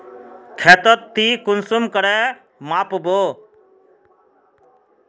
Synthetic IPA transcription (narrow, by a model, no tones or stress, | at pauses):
kʰeːt̪ət̪ːiːkʊnsʊmkəɽɛː | maːpboː